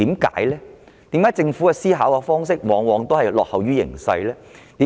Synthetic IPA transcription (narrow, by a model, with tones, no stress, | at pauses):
iː˨˥mka̰ː˨˥jlɛː˥ | t̪iː˨˥mkaː˨˥jt͡sɪ˧ŋfuː˨˥kɛ˧siː˥ɦaː˨˥wkɛ˧fɔː˥ŋsɪ˥k̚wɔː˨˧ŋwɔː˨˧ŋt̪o˥hɐ˨jlɔː˨k̚hɐ˨wɥyː˥jɪ̰˨˩ŋsɐ̰˧jlɛː˥t̪iː˨˥